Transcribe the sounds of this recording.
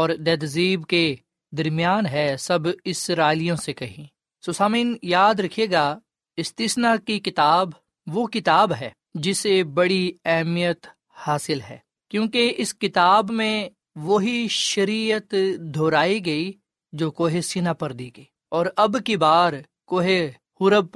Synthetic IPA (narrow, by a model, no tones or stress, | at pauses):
ɔːɾd̪ɛːd̪ziːbke | d̪ɐɾmijaːnɦɛsɐbɪsɾaːlijõsekɐɦĩ | soːsaːmĩːnjaːd̪ɾɐkʰeːɡa | ɪst̪iːsnakikɪt̪aːb | ʋokɪt̪aːbɦɛː | d͡ʒɪsebɐɽiɛɦmijət̪ | haːsɪlɦɛ̰ː | kjõːkeɪskɪt̪aːbmẽ | ʋoɦiʃɐɾiːət̪d̪ʱoːɾaːiɡɐi | d͡ʒoːkoːɦesɪnapɐɾd̪iːɡɐiː | ɔːɾɐbkibaːɾ | koːɦe | hʊɾəb̚